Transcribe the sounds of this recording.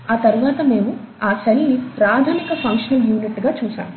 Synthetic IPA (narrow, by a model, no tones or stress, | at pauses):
aːt̪ɐɾuʋaːt̪ɐme̞ːmu | aːselnipɾaːd̪ʱaːnikɐpʰɐŋkʂɐnɐljuːniʈːɡaːt͡ʃuːʃa̰ːmu